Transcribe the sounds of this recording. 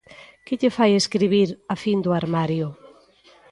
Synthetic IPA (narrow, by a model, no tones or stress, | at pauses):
kɪʎefajeskɾiβiɾafind̪ʊaɾmaɾjʊ